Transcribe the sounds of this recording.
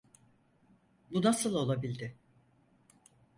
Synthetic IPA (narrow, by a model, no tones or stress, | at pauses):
bunasɯlˠo̞lˠabilʲd̪ɪ